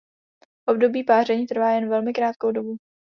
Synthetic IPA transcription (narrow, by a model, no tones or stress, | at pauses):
ʔo̞bdo̞biːpaːrɛɲiːt̪r̩vaːjɛnvɛlmɪkɾaːt̪̚kowdo̞bu